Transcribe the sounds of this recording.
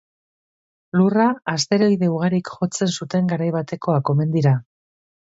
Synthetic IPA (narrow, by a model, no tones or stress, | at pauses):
luraːst̪e̞ɾo̞jðe̞uɣ̞aɾikxo̞t͡se̞nsut̪e̞ŋɡaɾajβat̪e̞ko̞ako̞me̞nd̪iɾa